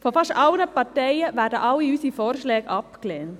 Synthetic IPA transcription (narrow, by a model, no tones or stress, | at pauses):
fɔfɑʃtɑlnəpɑɾtɛɪəʋæːɾdəʔɑlːiysifoːɾʃlɛːɡɑpklɛːnt